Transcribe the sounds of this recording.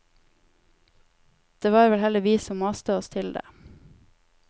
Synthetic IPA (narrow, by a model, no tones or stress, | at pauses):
d̪̥eːʋɑːɾʋɛlhɛləʋiːsɔmːɑst̪əɔst̪ʰɪld̪ḛː